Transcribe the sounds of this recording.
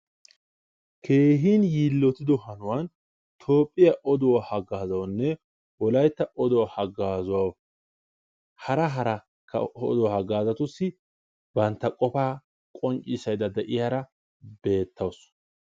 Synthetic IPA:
kʰe̞ːɦiːnjiːlːɔt̪ɪd̪ɔhɐnʊwɐn | t̪ʰoːpʼːɪjɐʔɔd̪ɔwahɐɡaːzɐwnːɛ | wɔlɐjt̪ːɐʔɔd̪ɔwahɐɡaːzʊwɐw | hɐɾɐɦɐɾɐ | kʰːɐ̰ɔ̰d̪ɔwhɐɡaːzɐt̪ʊsːɪ | bɐnt̪ːɐkʼɔfaː | kʼɔnt͡ʃʼːɪsɐjd̪ɐd̪ɛʔɪjaɾɐ | be̞ːt̪ʰːɐws

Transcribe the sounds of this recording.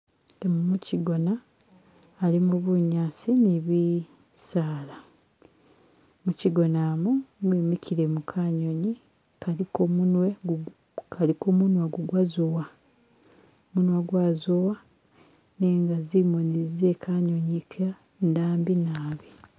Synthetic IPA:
temumuciɡo̞naː | limuβuɲaːsiniβi | saːla | muciɡo̞naːmumwiːmikʰiɾemukʰaɲo̞ɲi | kalikomunwe | kʰalikomunwaɡuɡwazowa | munwaɡwaːzowa | neŋɡazimonize̞kʰaɲoɲikʰa | ndaːmbinaːβi

